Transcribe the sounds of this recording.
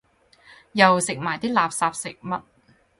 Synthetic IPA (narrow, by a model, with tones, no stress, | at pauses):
jɐ˨wsɪ˨k̚maː˨˩jt̪iː˥laː˨p̚saː˧p̚sɪ̰˨k̚mɐ˥t̚